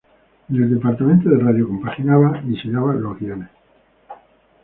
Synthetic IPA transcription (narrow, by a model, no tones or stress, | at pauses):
neld̪epaɾt̪amẽnt̪oðeraðjokompaxinaβaβiseɲaβaloɣjane